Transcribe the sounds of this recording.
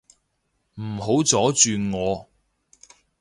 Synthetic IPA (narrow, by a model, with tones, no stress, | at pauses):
m̩˨˩ho˨˥wt͡sɔː˨˥t͡ʃyː˨ŋɔː˨˧